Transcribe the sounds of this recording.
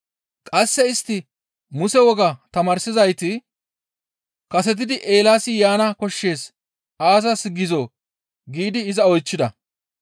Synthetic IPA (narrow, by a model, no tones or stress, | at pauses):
kʼɐsːɛɪst̪ːɪ | mʊsɛwɔɡɐt̪ɐmɐːɾsɪzɐjt̪ɪ | kɐsɛt̪̬ɪd̪ɪʔe̞ːlaːsɪjaːnɐkɔʃːe̞ːs | aːs̬ɐsɡɪzoː | ɡiːd̪ɪːzɐɔjt͡ʃːɪd̪ɐ